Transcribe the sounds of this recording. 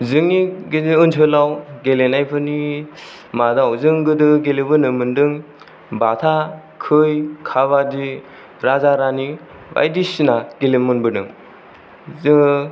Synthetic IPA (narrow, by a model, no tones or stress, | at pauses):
zɯŋiɡiiɯnt͡ʃʰɯlawɡelenajpʰɯni | madawzɯŋɡɯdɯɡelebɯnɯmɯndɯŋ | batʰa | kʰɯjkʰaβadi | ɾazaɾani | ba̰jdisinaɡelemɯnbɯnɯ̰ŋ